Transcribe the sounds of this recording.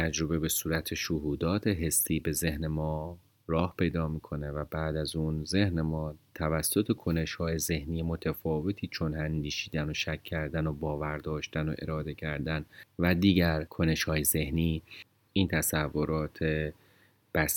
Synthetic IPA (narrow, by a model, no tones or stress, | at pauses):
t̪ʰæd͡ʒɾo̞be̞be̞suːɾæt̪ʰeʃoɦuːd̪ɒːt̪ʰe̞ɦe̞siːbe̞ze̞hne̞mɒː | ɾɒːhpʰe̞jd̪ɒːmiːkʰo̞ne̞væbæːd̪æzuːnze̞hne̞mɒːt̪ʰævæsːo̞t̪ʰe̞kʰo̞ne̞ʃhɒːjeze̞hniːjemo̞t̪ʰæfɒːve̞t̪ʰiːt͡ʃʰo̞nhænd̪iːʃiːd̪æno̞ʃæcʰːæɾd̪æno̞bɒːvæɾd̪ɒːʃt̪æno̞̰ʔe̞̰ɾɒːd̪e̞cʰæɾd̪ænvæd̪iːɟæɾkʰo̞ne̞ʃhɒːjeze̞hniː | ʔiːnt̪ʰæsævːo̞ɾɒːt̪ʰe | b̥æs